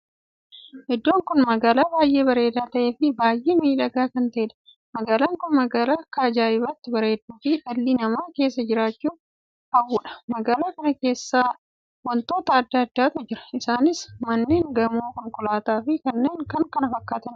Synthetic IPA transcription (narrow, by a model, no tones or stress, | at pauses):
ʔɛd̪ːo̞ːŋkʊnmɐɡaːlaːbaːjʔe̞ːbɐɾe̞ːd̪aːt̪ɐʔe̞ːfɪbaːjʔe̞ːmiːᶑɐɡaːkɐnt̪ɐʔɛᶑɐ̥ | mɐɡaːlaːŋkʊnmɐɡaːlaːkaːd͡ʒaːʔɪbɐt̪ːɪbɐɾe̞ːd̪uːfɪᶑɐlːinɐmaːke̞ːsːɐd͡ʒɪɾaːt͡ʃːuː | ɐwuːᶑɐ̥mɐɡaːlaːkɐnɐke̞ːsːaː | wɔnt̪o̞ːt̪ɐɐd̪ːɐːɐd̪ːaːt̪ʊd͡ʒɪɾɐ̥ɪsaːnɪsmɐnːe̞ːŋɡɐmoːkɔŋkʊlaːt̪aːfɪkɐnːe̞ːŋkɐŋkɐnɐfɐkːaːt̪ɐn